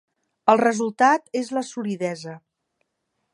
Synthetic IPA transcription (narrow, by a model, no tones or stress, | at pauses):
əlˠrəzulˠt̪at̪ezləsuliðɛzə